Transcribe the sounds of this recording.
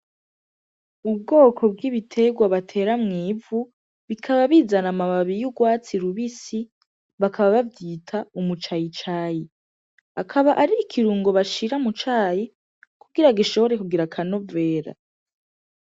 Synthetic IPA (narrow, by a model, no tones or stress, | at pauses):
ub̚ɡo̞ːkʰo̞b̚ɡiβitʰe̞ɡwaβatʰe̞ɾamŋiːvu | βikʰaβaβiːzanamaβaβijuɡwaːt͡siɾuβisi | βakaβaβavjiːtʰaumut͡ʃajit͡ʃaːji | akʰaβaʔaɾiːkʰiɾuːŋɡo̞βaʃiɾamut͡ʃaːji | kuɡiɾaɡiʃo̞βoɾe̞kuɡiɾakʰano̞ve̞ːɾa̰